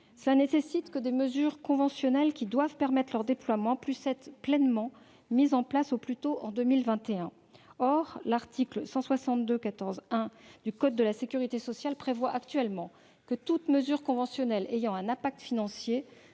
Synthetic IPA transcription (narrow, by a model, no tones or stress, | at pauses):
səlanesesit̪kəd̪eməzyʁkɔ̃vɑ̃sjɔnɛlkʲid̪wavpɛʁmɛt̪χlœʁd̪eplwamɑ̃plysɛt̪plɛnmɑ̃ | mizɑ̃plasoplyt̪oʔɑ̃d̪ømilvɛ̃t̪eɛ̃ | ɔʁlaʁt̪ʰiklsɑ̃swasɑ̃t̪̚d̪økat̪ɔʁzɛ̃d̪ykɔd̪̚d̪ːəlasekʲyʁit̪esɔsjalpχevwaʔakt̪ɥɛlmɑ̃ | kət̪ut̪məzyʁkɔ̃vɑ̃sjɔnɛlʔejɑ̃ɛ̃nɛ̃pak̚t̪finɑ̃sje